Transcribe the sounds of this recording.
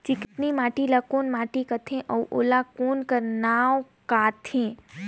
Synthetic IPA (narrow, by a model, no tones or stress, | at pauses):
t͡ʃikɪt̪nimaːʈilakoːnmãːʈikət̪ʰẽʔəwʔo̰ːlakoːnkəɾnawkaːt̪ʰẽ